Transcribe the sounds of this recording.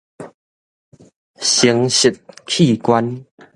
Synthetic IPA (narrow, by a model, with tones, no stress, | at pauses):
ɕi˨˦ə˦ŋɕi˨˩t̪̚kʰi˥˨kwa˦n